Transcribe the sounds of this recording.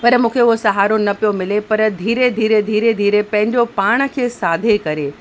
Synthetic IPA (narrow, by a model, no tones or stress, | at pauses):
pɐɾmũːkʰeʊɦosɐɦaːɾonɐpijomɪlepɐɾd̪ʱiːɾed̪ʱiːɾed̪ʱiːɾed̪ʱiːɾepɐ̃ɦɪ̃ɲd͡ʑopaːɽ̃ə̆kʰeːsaːd̪ʱekɐɾeː